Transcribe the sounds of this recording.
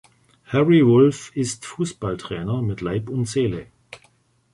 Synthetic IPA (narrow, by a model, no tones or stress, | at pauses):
hɛʁivʊlfɪstfuːsb̥altʁ̥ɛːnɐmɪtʰlaɪpʊntz̥eːlə